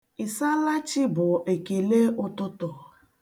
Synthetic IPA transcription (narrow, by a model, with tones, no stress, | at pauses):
ɪ˨sa˦la˦t͡ʃɪ˦bʊ˨ʔe˨ke˨le˦ʊ˦tʊ˦tʊ˨